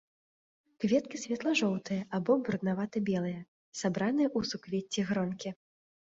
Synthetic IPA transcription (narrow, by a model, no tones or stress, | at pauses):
kvʲɛt̪̚kʲisʲvʲɛt̪lˠɐʐɔwt̪ɨjɐʔabɔbuɾd̪navat̪ɨbʲɛlˠɨjɐ | sabɾanɨjɐʔusukvʲet͡sʲːiɣɾɔnkʲi